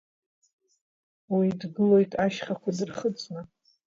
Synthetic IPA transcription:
widɡɨlo̞jtʼaʃχakʷʰadɨrχət͡sʼna

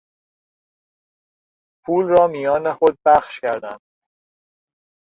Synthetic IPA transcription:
pʰuːlrɒːmijɒːnexod̪̚bæχʃcæɾd̪ænd̪̥

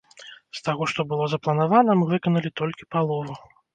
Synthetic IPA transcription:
st̪aɣɔʂt̪ɔbɨlˠɔzɐplˠɐnavanɐmɨvɨkɐnɐlʲit̪ɔlʲkʲipalˠɔvu

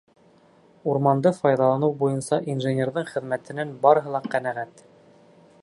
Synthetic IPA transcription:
uɾmɑnd̪ɤfɑjðɑlˠɑnɤwbujɤnsɑʔinʒɘnʲerðɤɴχɘ̆ðmæt̪ɘ̆nænbɑɾɤ̆ɦɤ̆lˠɑqænæʁæt̪

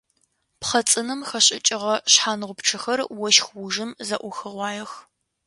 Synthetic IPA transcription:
pχɐt͡sʼɨnɨmxɐɕʼɪt͡ʃʼɪʁɐɕħaːnʁʷʊpʈ͡ʂʰɐxɐrwɔʃxwʊʒɨmzɐʔʷʊxɨʁʷɑːjɐx

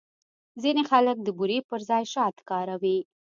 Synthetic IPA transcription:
zinexalək̚d̪əbuɾepəɾzɑjʃɑt̪kɑɾawi

